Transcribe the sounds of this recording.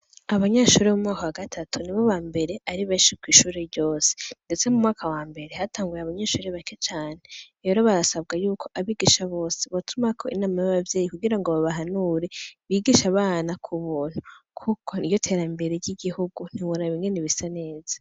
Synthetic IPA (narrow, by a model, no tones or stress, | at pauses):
aβaɲaʃuːɾemumŋaːkawaɡatʰatʰuniβoβaːmbe̞ɾe̞ʔaɾiβeːʃikwiːʃuːɾeɾɟo̞ːse̥nde̞t͡se̞mumŋaːkʰawaːmbe̞ɾe̞hatʰaːŋɡujeaβaɲaːʃuːɾeβake̞t͡ʃaːne | eːɾo̞βaɾasab̚ɡajuːkʰo̞ʔaβiɡiʃaβo̞ːse̥βotʰumakʰo̞inaːmajaβavje̞ːjikuɡiɾaŋɡo̞βaβaɦanuɾe̞βiːɡiʃaβaːnakʰuβuːn̥hukʰukʰo̞ijo̞tʰe̞ɾambe̞ɾeɾɟiɡihuɡun̥iβuɾaβiŋɡe̞niβisane̞ːza